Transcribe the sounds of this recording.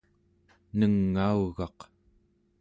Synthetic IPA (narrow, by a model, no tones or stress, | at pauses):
nəŋːauɣɑq